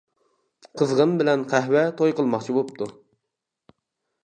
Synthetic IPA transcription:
qʰəzʁəmbɪlɛnqʰæɦwɛt̪ʰojqʰəlˠmɑχt͡ʃʰibopt̪ʰu

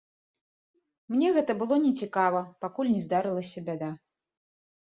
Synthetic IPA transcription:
mnʲɛɣɛt̪ɐbɨlˠɔnʲɛt͡sʲikavɐpakulʲnʲɛzd̪aɾɨlˠɐsʲɐbʲad̪a

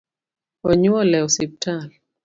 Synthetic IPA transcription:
ɔɲuɔlɛɔsip̚tal

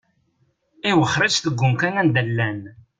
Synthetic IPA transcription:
ɪwəχɾˤət͡ʃθəɡʷːʊmkænænd̪əlːæn

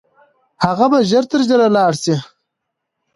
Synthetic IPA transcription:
haɣabaʒəɾt̪əɾʒəɾalɑːɽsi

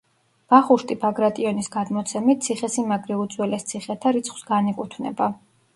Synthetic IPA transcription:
b̥aχuʃt̪ʼipʰaɡɾat̪ʼiɔnisɡad̪mɔt̪sʰɛmit̪̚t̪sʰiχɛsimaɡɾiut̪zʼwɛlɛst̪sʰiχɛt̪ʰaɾit̪sʰχw̥sɡanikʼut̪ʰvnɛ̰ba

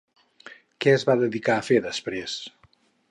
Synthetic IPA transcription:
kɛəzβaðəðikaəfeðəspɾes

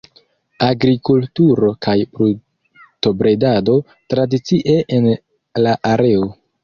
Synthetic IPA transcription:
aɡɾikultuɾo̞kʰajpɾu | to̞bɾe̞dado̞ | tɾadit͡siʔe̞ʔen | laʔaɾe̞o

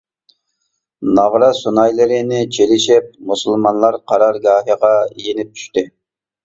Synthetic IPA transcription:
nɑʁɾɑsunɑjlˠɨɾɪnɪt͡ʃʰelɪʃɪp̚musulˠmɑnlˠɑɾqʰɑɾɑɾɡɑːɦiʁɑijenɪp̚t̪ʰy̥ʃt̪ɪ

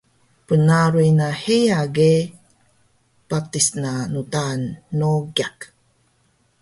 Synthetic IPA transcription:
pənaɾuinahijaɡe | patisnanutanːoɡiak

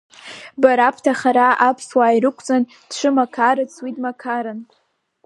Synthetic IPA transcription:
baɾapʰtʰaχaɾaʔapʰswaːjrɨkʷʰt͡sʼan | d̥ʂʷʰɨmakʰaɾɨt͡sʰwidmakʰaɾɨn

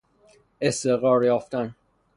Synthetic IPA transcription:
est̪eɣɒːɾjɒːft̪æn

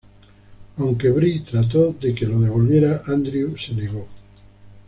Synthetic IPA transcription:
awŋkeβɾit̪ɾat̪̬oðekeloðeβolmjeɾaʔãnd̪ɾjuseneɣo

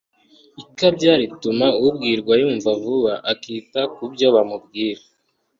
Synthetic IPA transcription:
ikabɟaːɾitumaubɡiːɾɡwajuːɱvavuβaʔakiːtakubɟo̞βamub̚ɡiːɾa

